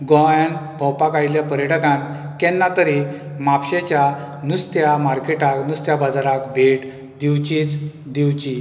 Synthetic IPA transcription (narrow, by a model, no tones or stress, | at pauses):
ɡɔjanbʱɔ̃wpakajljapəɾjəʈəkãn | kɛnːat̪əɾi | mapɕet͡ɕa | nust̪jamaɾkeʈaknust̪jabad͡zaɾakbʱeʈ | d̪iwt͡ɕit͡s | d̪iwt͡ɕi